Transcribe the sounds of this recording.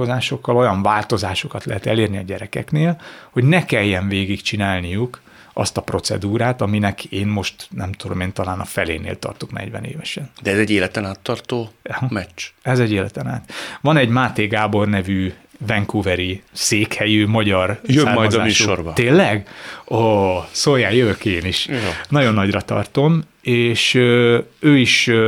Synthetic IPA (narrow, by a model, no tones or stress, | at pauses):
ozaːʃo̞kːɒlo̞jɒɱvaːlt̪o̞zaːʃo̞kɒt̪lɛɦɛt̪ɛleːrniɒɟɛɾɛkɛkneːlho̞ɟnɛkɛjːɛɱveːɡikt͡ʃinaːlnijuk | ɒ̰st̪ɒpro̞t̪sɛ̰d̪uːɾaːt̪ɒminɛkʰeːnmo̞ʃt̪nɛmt̪ud̪o̞̰meːnt̪ɒlaːnɒfɛlḛːnḛːlt̪ɒ̰rt̪o̞knɛ̰ɟvɛ̰nḛːvɛʃɛnd̪ɛɛzɛɟeːlɛt̪ɛnaːt̪ːɒrt̪oːhmɛt͡ʃt͡ʃɛzɛɟeːlɛt̪ɛna̰ːt̪vɒnɛɟmaːt̪eːɡaːbo̞rnɛvyːvɛŋkuvɛɾiseːkhɛjymɒɟɒrjøamːrːɒjd̪ɒaːmyːʃorbɒt̪eːlːɛɡosoːjaːjjøvøkeːniʃjonɒɟo̞nːɒɟrɒt̪ɒ̰rt̪o̞m | eːʃøøːiʃ